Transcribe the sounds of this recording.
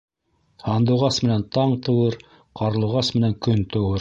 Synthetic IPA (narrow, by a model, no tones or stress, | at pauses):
hɑnd̪ɤ̆wʁɑsmɘ̆nænt̪ɑɴt̪ɤ̆wɤɾ | qɑɾlˠɤ̆wʁɑsmɘ̆næŋkɵnt̪ɤ̆wɤɾ